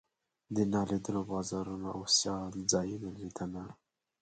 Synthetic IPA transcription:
d̪ənɑlid̪əlobɑzɑɾunoʔawsjɑlzɑjunalid̪əna

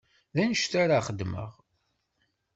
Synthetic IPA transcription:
ðænəʃt̪aɾaχəd̪mə̰ʁ

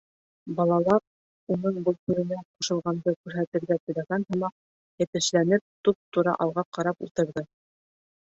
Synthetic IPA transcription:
bɑlˠɑlˠɑɾ | unɤɴbɤlˠkʉɾɘ̆næquʃɤ̆lˠʁɑnd̪ɤkʉɾɦæt̪ɘ̆ɾɡæt̪ɘ̆læɡænɦɤ̆mɑq̚ | jɘ̆t̪ɘ̆ʃlænɘp̚t̪up̚t̪uɾɑ̰ʔɑlˠʁɑqɑɾɑpṵlˠt̪ɤ̆ɾðɤ

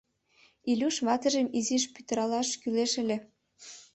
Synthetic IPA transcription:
ilʲuʃβɑt̪ə̆ʒə̆miziʃpyt̪ə̆ɾɑlɑʃkyleʃə̆lʲĕ

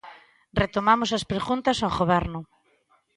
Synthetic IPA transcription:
ret̪omamosɐspɾeɣunt̪ɐsaɣoβɛɾnʊ

